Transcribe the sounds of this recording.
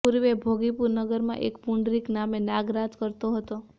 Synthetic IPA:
puɾʋebʱoɡipuɾnəɡəɾmã̰ʔekpuɳɖɾiknamenaɡɾat̪kəɾt̪oɦət̪o

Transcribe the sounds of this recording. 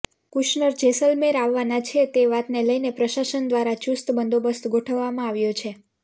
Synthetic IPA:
kuʃnəɾd͡ʒesəlmeɾaʋːanat͡ʃʰet̪eʋat̪neləjnepɾəʃaʃənd̪ʋaɾat͡ʃust̪bənd̪obəst̪ɡʱoʈʰəʋːamãaʋjot͡ʃʰe

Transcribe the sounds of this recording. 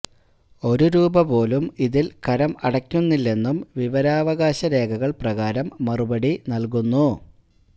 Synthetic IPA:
o̞ɾuɾuːbɐpo̞ːlumiðilkɐɾɐmɐɽɐkʲːunːilːe̞nːumʋiʋɐɾaːʋɐɣaːɕɐɾe̞ːɡɐɣɐɭprɐɣaːɾɐmːɐrubɐɽinɐlkunːu

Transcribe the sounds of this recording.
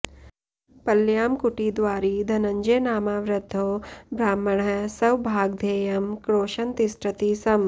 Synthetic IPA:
pɐljaːmkuʈiːd̪ʋaːɾiːd̪ʱɐnɐɲd͡ʒeːnaːmaːʋɾɐd̪ʱːoːbɾaːmːɐɳɐsɐwbʱaːɡ̚d̪ʱeːjɐmkɾoːʃɐnt̪isʈɾɐt̪iːsɐm

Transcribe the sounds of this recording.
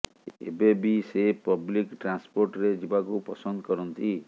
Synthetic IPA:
ḛbebisepɔblikʈɾanspoɾʈɾed͡ʒibakupɔsɔnd̪ɔkɔɾɔnt̪i

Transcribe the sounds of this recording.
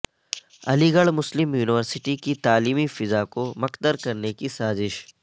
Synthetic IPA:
ɐ̰liɡɐɭmʊslɪmjuːnɪʋəɾsɪʈikit̪aːliːmifɪzakomɐqd̪əɾkɐɾnekisaːzɪʃ

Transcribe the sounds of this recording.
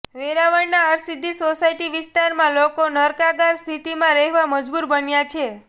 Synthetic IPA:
ʋeɾaʋəɳnaəɾsid̪ʱːisosaiʈiʋɪst̪aɾmãlokonəɾkaɡaɾst̪ʰit̪imãɾəɦʋaməd͡ʒbuɾbənjat͡ʃʰe

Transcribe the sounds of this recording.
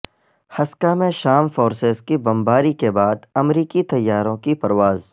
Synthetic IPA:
hɐskamẽʃaːmfoːɾsezkibɐ̃mbaːɾikebaːd̪ɐmɾiːkit̪ɐjːaːɾõkipɐɾʋaːz

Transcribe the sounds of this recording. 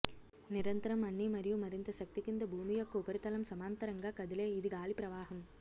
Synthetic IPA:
nɪɾɐnt̪ɐɾɐmɐɳːimɐɾijumɐɾɪnd̪ɐsɐk̚t̪ikːɯnd̪ɐbʱuːmijokːɯʊbɐɾɯt̪ːɐlɐmsɐmaːnt̪ɐɾɐŋɡakɐðɪleːɪðɯɡaːlipɾɐʋaːɦɐm

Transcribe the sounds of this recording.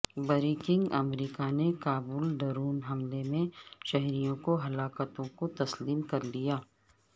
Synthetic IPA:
bəɾiːkɪ̃ŋɡɐmɾiːkanekaːbuːlɖɐɾuːnɦɐmlemẽʃɛɦɾijõkoɦɐlaːkət̪õkot̪ɐsliːmkɐɾlijaː

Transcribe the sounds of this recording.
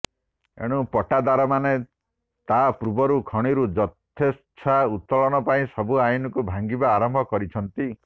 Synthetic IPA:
ḛɽ̃upɔʈad̪aɾɔmane | t̪apɾubɔɾukʰɔɽ̃iɾud͡ʒɔt̪ʰes | t͡ʃʰaut̪ːɔɭɔɽ̃ɔpaĩsɔbuajunɔkubʱaŋɡibaːɾɔmbʱɔkɔɾit͡ʃʰɔnt̪i

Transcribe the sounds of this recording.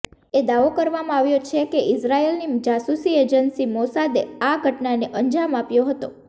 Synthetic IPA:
ed̪aʋokəɾʋamãaʋjot͡ʃʰekeʔɪsɾaelnid͡ʒasusied͡ʒənsimosad̪eaɡʱəʈnaneʔəɲd͡ʒamapjoɦət̪o

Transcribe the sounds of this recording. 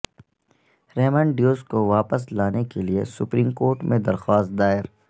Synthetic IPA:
ɾɛːmə̃ɳɖjoːskoʋaːpəslaːnekeliesʊpɾĩːmkoːɾʈmʔẽd̪ɐɾxwaːst̪̚d̪aːɪɾ

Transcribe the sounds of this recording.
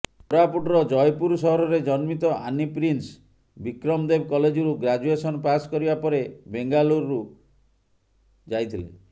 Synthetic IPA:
pɾapuʈɔɾɔd͡ʒɔjpuɾsɔɦɔɾɔɾed͡ʒɔnmit̪ɔʔa̰nipɾins | bikɾɔmd̪ebkɔled͡ʒɔɾuɡɾad͡ʒuesɔnɔpaskɔɾibapɔɾebeŋɡaluɾːu | d͡ʒajt̪ʰilḛ

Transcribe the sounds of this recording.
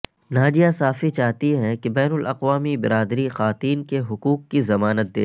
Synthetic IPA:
naːd͡ʒijasaːfit͡ʃaːɦt̪iɦɛ̃kebɛːnʊlʔɐqʋaːmibɪɾaːd̪ɾixaːt̪iːnkeɦʊkuːqkːizɐmaːnət̪̚d̪ḛː

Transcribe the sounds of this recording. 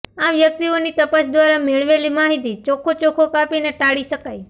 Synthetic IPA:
aʋjək̚t̪ionit̪əpasd̪ʋaɾameɭʋelimaɦit̪it͡ʃokʰot͡ʃokʰokapineʈaɽiʃəkai

